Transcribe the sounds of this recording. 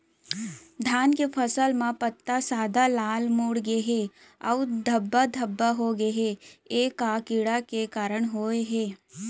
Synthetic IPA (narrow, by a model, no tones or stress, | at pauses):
d̪ʱaːnkepʰəsəlmãpət̪ːasaːd̪ʱalaːlmoːɽɡeɦe | ɔʋd̪ʱəbːad̪ʱəbːaɦoɡeɦeeːkakɪɽakekaːɾəɳ̃ɦoːeɦeː